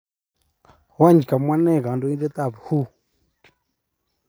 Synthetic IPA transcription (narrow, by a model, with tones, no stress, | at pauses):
wa˦˨ɲd͡ʒi˨ka˨mwa˦nɛ˦˨ɣa˨ndɔ˦i˦dɛ˦t̪a˦˨βu˨hu˦